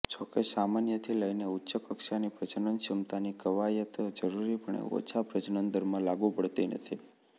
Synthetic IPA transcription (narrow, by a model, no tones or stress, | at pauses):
t͡ʃokesamanjət̪ʰiləineutːʃəkəkʃanipɾət͡ʃənənʃimt̪anikəʋajət̪d͡ʒəɾuɾipəɳḛo̰t͡ʃʰapɾət͡ʃənənd̪əɾmãlaɡupəɽt̪inə̰t̪ʰi